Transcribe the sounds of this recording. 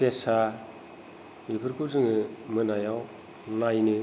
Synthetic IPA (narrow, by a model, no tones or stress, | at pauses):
pesa | jipʰɯɾkʰuzɯŋɯmɯnajaw | najnɯ